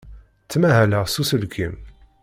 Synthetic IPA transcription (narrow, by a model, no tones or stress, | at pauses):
t͡sːmæɦæləʁsusəlkʰim